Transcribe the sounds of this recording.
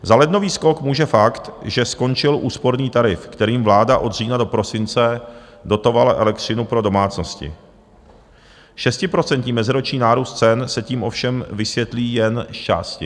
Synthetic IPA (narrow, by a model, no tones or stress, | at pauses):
zalɛdno̞viːsko̞kmuːʒɛfakt̪ʒɛsko̞nt͡ʃɪlʔuːspo̞ɾniːt̪aɾɪfkt̪ɛɾiːmvlaːdaʔo̞d̪r̝iːnado̞pɾo̞sɪnt͡sɛdo̞t̪o̞valaʔɛlɛk̚t̪rɪnupɾo̞do̞maːt͡sno̞scɪ̰ | ʃɛscɪpɾo̞t͡sɛnt̪ɲimɛzɪɾot͡ʃɲiːnaːɾuːst̪̚t͡sɛnsɛciːmʔo̞fʃɛmvɪsjɛt̪liːjɛnʃt͡ʃa̰ːscɪ